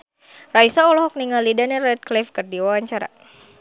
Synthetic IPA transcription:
raisaɔlɔɦɔk̚niŋalidanɛrɛt̪̚klifkərdiwawaɲt͡ʃaɾa̰

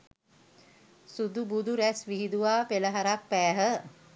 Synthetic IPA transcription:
sud̪ubud̪uɾæsʋiɦid̪uʋaːpeləɦaɾak̚pæːɦə

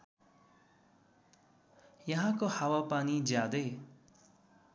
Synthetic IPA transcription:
jʌɦãkohawapanid͡zjad̪ʌj

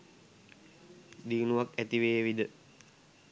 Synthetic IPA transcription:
dinuak̚ɛt̪iwewidə

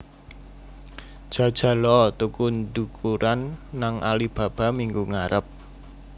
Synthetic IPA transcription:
d̥ʒ̥ä̤d̥ʒ̥a̤lɔt̪ukundukʰuɾanːaŋʔalib̥ä̤b̥a̤miŋɡuŋaɾəp̚

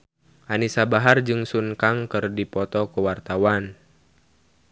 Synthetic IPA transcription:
ʔanisabaɦard͡ʒɨŋsunkaŋkɨrdipɔt̪ɔkəwart̪awan

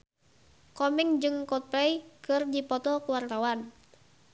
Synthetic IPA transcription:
kɔmɪŋd͡ʒɨŋkɔt̪̚pɛjkɨrdipɔt̪ɔkuwart̪awan

